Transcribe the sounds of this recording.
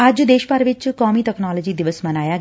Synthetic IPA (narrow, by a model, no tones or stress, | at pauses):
ad͡ʒd̪eːʃpaɾʋit͡ʃkɔmiːʈ̪əknɔlɔd͡ʒiːd̪iʋəsmənaja